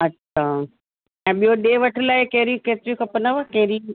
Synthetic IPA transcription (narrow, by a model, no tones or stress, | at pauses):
ɐtːʃʰaː | ɛ̃ːɓijoɗeːʋɐʈʰɪlaːɪkeɦɾikeːt̪ɪɾikʰɐpənaʋakeɦɾi